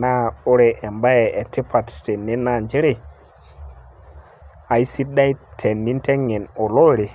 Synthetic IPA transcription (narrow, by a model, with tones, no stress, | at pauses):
na˦o˦ɾe˨e˨mba˦je˨e˨te˦pʰa˨tte˨nːi˦na˦˨nd͡ʒe˦ɾe˦ | a˨i˦si˦da˦jtʰe˨nːi˦nte˦ŋe˨no˨lo˦ɾi˨